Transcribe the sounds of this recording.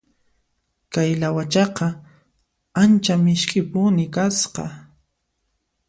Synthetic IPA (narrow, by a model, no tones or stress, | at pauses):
kajlawat͡ʃɑqɑ | ant͡ʃamɪʃkɪpʊnɪkasqɑ̰